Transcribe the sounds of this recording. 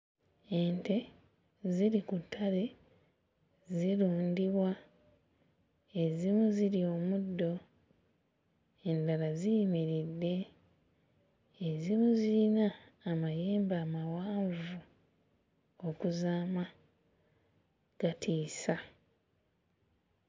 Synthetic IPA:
e̞nte̞ | ziɾikutʰːale̞ | ziɾuːndiβwa | e̞zimuziɾio̞ːmudːo̞ | e̞ndalazijmiɾidːe̞ | zimuziinaːmajeːmbaːmawaːɱvu | okuzaːma | ɡ̥atʰiːsa

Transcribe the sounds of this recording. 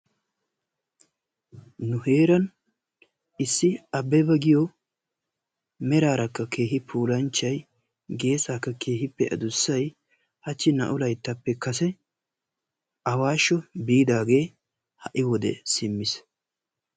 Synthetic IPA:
nʊhe̞ːɾɐn | ɪsːɪɐbːɛbɐɡɪjɔ | mɛɾaːɾɐkːɐke̞ːɦɪpʰuːlɐnt͡ʃːɐj | ɡe̞ːsaːkːɐkʰe̞ːɦɪpːɛʔɐ̰d̪ʊsːɐj | hɐt͡ʃːɪnɐ̰ʔʊlɐjt̪ːɐpːɛkɐs̬ɛ | ɐwaːʃːɔbiːd̪aːɡe̞ː | hɐʔɪwɔd̪ɛ̰sɪmːɪs

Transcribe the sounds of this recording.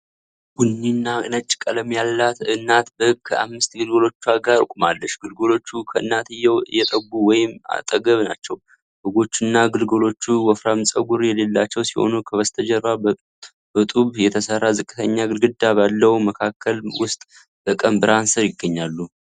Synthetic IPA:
ɡ̥unːinːanət͡ʃʼːkʼələmjalːat̪ɨnːat̪bəhɨkʼːkʰəʔa̰mːɨst̪ɡɨlɡolo̞t͡ʃːuaɡaɾɨ̰kʼumalːəʃɡɨlɡolo̞t͡ʃːukʰəʔɨ̰nːat̪ɨjɛwɨjːɛt̪ʼəɡːuwɔjɪma̰t̪ʼəɡəβna̰t͡ʃːɛw | hɨɡo̞t͡ʃːunːaɡɨlɡolo̞t͡ʃːuwɔfɾamɨsʼəɡuɾjɛle̞lːat͡ʃːɛwsiho̞̰nukʰəβəst̪ʰəd͡ʒəɾβa | b̥ət̪ʼuβjɛt̪ʰəsərːazɨkʼːɨt̪ʰəɲːaɡɨlɡɨd̪abalːəwməkʰakʰːəlwʊst̪ʼ | b̥əkʼəmbɨɾansəɾjɪɡːəɲːalːu

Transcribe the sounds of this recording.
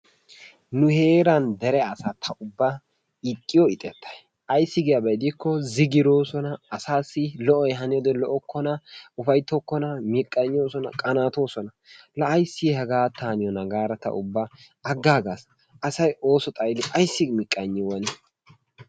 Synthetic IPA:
nʊhe̞ːɾɐnd̪ɛɾɛɐsaːt̪ʰɐʊbːa | ɪkʼːɪjɔɪt̪ʼɛt̪ːɐ̥j | ʔɐjsːɪɡɪjɐbɐjd̪ɪkːɔzɪɡɪɾo̞ːsɔnɐːsaːsːɪlɔʔɔjɛɦɐnɪjɔd̪ɛlɔʔɔkːɔnɐʊfɐjt̪ːɔkːɔnɐmɪkʼːɐɲːo̞ːsɔnɐ̰kʼɐnaːt̪o̞ːsɔnɐ | lɐʔɐjsːɪhɛɡaːt̪ʰaːnɪjɔnɐɡaːɾɐt̪ɐ̰ʔʊbːa | ɐɡːaːɡas | ʔɐsɐjo̞ːsɔt̪ʼɐjd̪ɪʔɐjsːɪmɪkʼːɐɲːɪwɐnɪ

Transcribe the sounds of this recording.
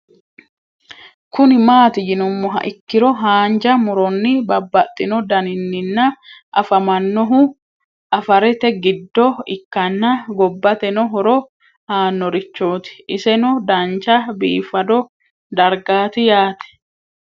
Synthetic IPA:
kʊnɪmaːt̪ɪd͡ʒɪnʊmːɔɦɐ̰ʔɪkːɪɾɔɦaːnd͡ʒɐmʊɾɔnːɪbɐbːɐt̪ʼːɪnɔd̪ɐnɪnːɪnːɐʔɐfɐmɐnːɔɦʊ | ʔɐfɐɾɛt̪ɛɡɪd̪ːɔɪkːɐnːɐɡɔbːɐt̪ɛnɔɦɔɾɔ | haːnːɔɾɪt͡ʃːoːt̪ɪ̥ʔɪsɛnɔd̪ɐnt͡ʃɐbḭːfːɐd̪ɔ | d̪ɐɾɡaːt̪ɪjaːt̪ɛ̥

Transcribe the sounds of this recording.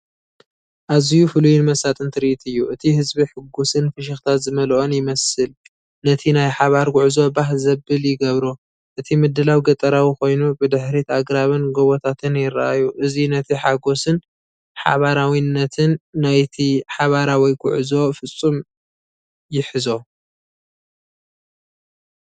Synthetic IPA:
ʔazɨjufɨlujinmɐsat̪ʼɨnt̪ʰɨɾiʔit̪ʰɨjːuʔɨt̪ʰihɨzbiħɨɡːusɨnfɨʃ̬ɪxt̪ʰat̪zɨmɐlʔonjɪmɐsɨl | nɐt̪ʰinajħaβaɾɡʷʊʕzo̞baɦzɐbɨljɪɡɐβɾu | ʔɨt̪ʰimɨd̪ːɨlawɡɐt̪ʼɐɾawiko̞jnubɨd̪ɨħɾit̪aɡɾaβɨnɡoβot̪ʰat̪ʰɨnjɪɾaʔajuʔɨzinɐt̪ʰiħaɡo̞sɨn | ħa̰βaɾawinːɐt̪ʰɨnːajt̪ʰiħaβaɾawiɡʊ̰ʕzo̞fɨt͡sʼːum | jɪħɨzo̞

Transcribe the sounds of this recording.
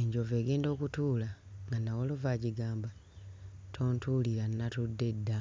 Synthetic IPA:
eɲɟo̞ve̞ːɡe̞ːndo̞ːkutuːlaŋɡanːawolovaːɟiɡaːmba | tʰo̞ːntuːliɾanːatudːe̞dːa

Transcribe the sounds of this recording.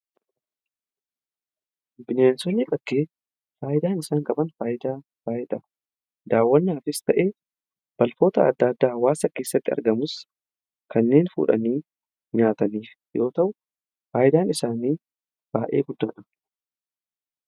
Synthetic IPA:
bɪneːnsɔnːɪkʼɐkːe̞ː | faːʔɪd̪aːnɪsaːŋkʼɐbɐnfaːjɪd̪aː | faːʔɪd̪ɐ | d̪aːwːɐnːɪaːfɪst̪ɐʔe̞ː | b̥ɐlfo̞ːt̪ɐɐ̰d̪ːɐːd̪ːaːwaːsɐke̞ːsːɐt̪ːɪɐ̰ɾɡɐmʊs | kɐnːe̞ːnfṵːᶑɐ̰niː | ɲaːt̪ɐniːf | jo̞ːt̪ɐʔʊ | faːjɪd̪aːnɪsaːniː | b̥aːʔe̞̰ːɡʊd̪ːaːᶑɐ

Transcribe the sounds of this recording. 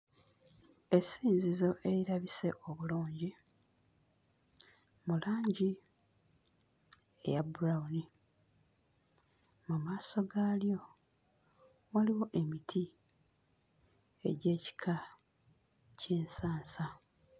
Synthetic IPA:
esiːnzizo̞ʔe̞ɾiɾaβise̞̰ʔo̞βuluːɲɟi | mulaːɲɟi | ḛjabuɾawuni | mumaːso̞ɡaːljo̞ | waliwo̞ʔe̞mitʰi | e̞̰ɟe̞ːci̥kʰa | ceːnsaːnsa

